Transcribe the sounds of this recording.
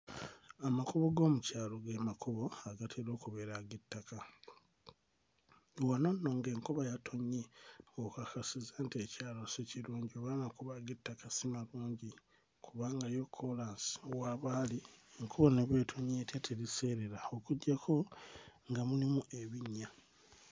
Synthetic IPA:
amakuβo̞ɡo̞ːmucaːlo̞ɡemakʰuβo̞aɡatʰeɾo̞ːkuβe̞ɾaɡitːaka | wano̞nːo̞ːŋɡe̞ːŋkoβajatʰo̞ɲeokakasizantiecaːloseciɾuːɲɟioβaːnakuβaɡitːakasimaluːɲɟi | kʰuβaːŋɡajokʰːolansi̥owaːβaːlieŋkʰoβo̞neβeːtʰoɲeːtjatʰeɾise̞ːɾe̞ɾao̞kuɟːakʰo̞ŋɡamulimuʔe̞βiɲːa

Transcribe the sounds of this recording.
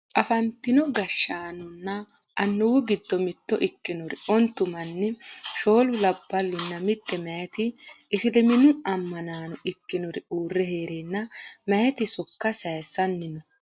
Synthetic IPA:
ʔɐfɐnt̪ːɪnɔɡɐʃːaːnʊnːɐ | ʔɐnːʊwʊɡɪd̪ːɔmɪt̪ːɔʔɪkːɪnɔɾɪ̰ʔɔnt̪ːʊmɐnːɛʃo̞ːlʊlɐbːɐlːɪnːɐmɪt̪ʼːɛmɐjɐt̪ɪʔɪsɪlɪmɪnʊɐmːɐnaːnɔʔɪkːɪnɔɾɪuːrːɛheːɾeːnːɐmɐjɐt̪ɪsɔkːɐsɐjsːɐnːɪnɔ

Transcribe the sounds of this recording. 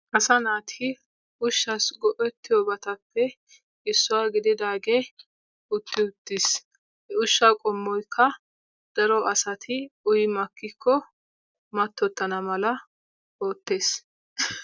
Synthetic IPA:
ʔɐsɐnaːt̪ʰɪ | ʊʃːɐsɡɔʔɛt̪ːɪjɔbɐt̪ɐpːɛ | ɪsːʊwaːɡɪd̪ɪd̪aːɡe | ʊt̪ːɪʊt̪ːɪs | ɛʊʃːakʼɔmːɔjkʰːɐ | d̪̥ɐɾɔʔɐsɐt̪ʰɪʊjmɐkːɪkːɔ | mɐt̪ːɔt̪ːɐnɐmɐlɐ | o̞ːt̪ːe̞ːs

